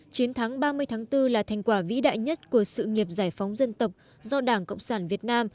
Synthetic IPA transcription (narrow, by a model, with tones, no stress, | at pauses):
t͡ɕi˨˦ənt̪ʰa˨˦ŋɓaː˧mɨ˧əjt̪ʰaː˨˦ŋt̪ɨ˧laː˨˩t̪ʰa˨˩jŋ̟kwaː˧˩vḭ˧˥ɗa̰ː˧˨jɲə˦˥t̚ku˧˩əsɨ̰˧˨ŋi˨˩əp̚zaː˧˩jfa˨˦wŋ͡mzə˧nt̪ə˨˩wk͡p̚ | zɔ˧ɗaː˧˩ŋkə̰˧˨wŋ͡msaː˧˩nvi˨˩ət̚naː˧m